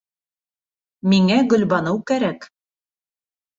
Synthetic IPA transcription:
miŋæɡɵ̆lβɑnɤwkæɾæk

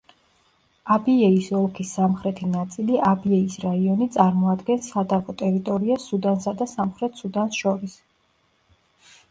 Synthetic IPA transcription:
abiɛisɔlˠkʰisːamχɾɛt̪ʰinat̪sʼiliʔabiɛisɾaiɔnit̪sʼaɾmɔad̪ɡɛnsad̪avɔt̪ʼɛɾit̪ʼɔɾiasud̪ansad̪asamχɾɛt̪ʰsud̪ansʃɔɾis

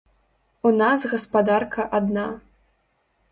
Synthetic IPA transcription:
unazɣɐspad̪arkɐʔad̪na

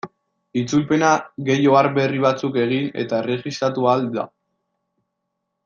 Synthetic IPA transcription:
it͡sulpe̞naɣe̞jo̞aɾbe̞riβat͡suke̞ɣ̞ine̞̰t̪ae̞re̞ɣist̪ɾat̪uald̪a̰

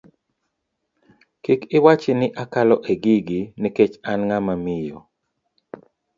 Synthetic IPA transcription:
kikɪwat͡ʃɪnɪʔakalɔʔeɡiɡiniket͡ʃanŋamamɪjɔ

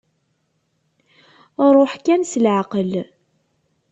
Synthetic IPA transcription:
rˤoħkænsəlʕaqəl

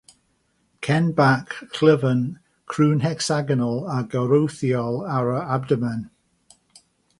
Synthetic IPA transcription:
kʰɛnbakʰl̥ɪvən | kʰɹuːnɦɛksaɡənəlˠaɡəɾowθiɔlˠaɹəabdəmən

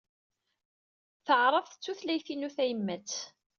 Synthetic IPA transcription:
θəʕɾˤəfθət͡sːuθlæjθinuθæjəmːæt͡sː

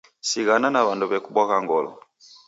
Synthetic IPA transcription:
siɣananaβanduβɛkuɓwakaŋɡɔlɔ̰

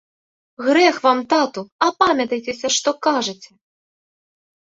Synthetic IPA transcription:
ɣɾɛxvamt̪at̪uɐpamʲɐt̪ɐjt͡sʲɛsʲɐʂt̪ɔkaʐɐt͡sʲɛ

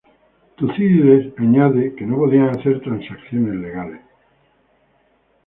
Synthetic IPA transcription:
t̪uθiðiðesaɲaðekenopo̞ðiaŋaθe̞ɾt̪ɾansakθjonezle̞ɣales

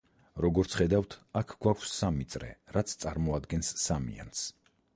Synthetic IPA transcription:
ɾɔɡɔɾt̪sʰχɛd̪avt̪ʰakʰɡ̥wakʷʰsːamit̪sʼɾɛ̰ɾat̪sʰt̪sʼaɾmɔad̪ɡɛnsːamḭa̰ns

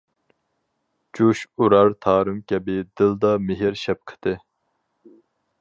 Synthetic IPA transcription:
d͡ʒuʃuɾɑɾt̪ʰɑːɾɨmkʲʰɛbɪd̪ɪld̪ɑmɪɦɪɾʃɛp̚qʰə̥t̪ɨ

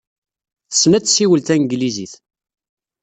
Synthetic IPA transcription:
θəsːnæt͡sːsiwəlt̪æŋɡliziθ

